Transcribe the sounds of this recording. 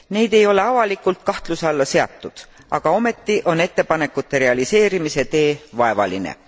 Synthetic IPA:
ne̞jd̪̥e̞jo̞le̞ɑvɑlikːˑult̪̚kɑht̪lusɑlːɑse̞ɑ̰t̪ˑːud̪̥ | ʔɑɡ̥ɑo̞me̞t̪ːiʔo̞ne̞t̪ːe̞pɑne̞kːut̪ːe̞ɾe̞ɑlise̞ːɾimise̞t̪e̞ːvɑe̞vɑ̰linḛ

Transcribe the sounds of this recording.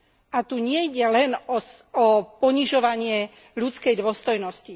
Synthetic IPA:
ʔat̪uɲɪɛjɟɛlɛnɔɔpɔɲiʒɔʋaɲɪɛ | ʎut͡skɛjd̪ʊɔst̪ɔjnɔsci

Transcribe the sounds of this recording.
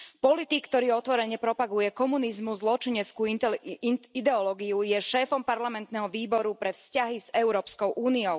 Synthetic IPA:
pɔlit̪ikːt̪ɔɾiːɔt̪ʋɔɾɛɲɛpɾɔpaɡujɛkɔmunizmuzlɔt͡ʃiɲɛt͡skuː | id̪ɛɔlɔɡiujɛʃɛːfɔmpaɾlamɛnt̪nɛɦɔʋiːbɔɾupɾɛfscaɦizɛʊɾɔːpskɔʊʔuːniɔʊ

